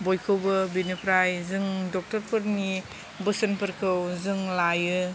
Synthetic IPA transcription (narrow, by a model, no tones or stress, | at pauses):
bojkʰɯwbɐbinɯpʰɾajzɯŋdɔk̚tɐɾpʰɯɾni | bɯsɐnpʰɐɾkʰɯwzɯŋlajɯ